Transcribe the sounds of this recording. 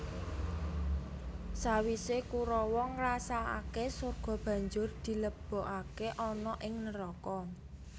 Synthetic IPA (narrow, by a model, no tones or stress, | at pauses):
sawisekuɾɔwɔŋrasaa̰kesorɡ̥ɔ̤b̥ä̤ɲd͡ʒʊrd̪̥i̤ləb̥ɔ̤ʔakeʔɔnɔʔɪŋnəɾɔkɔ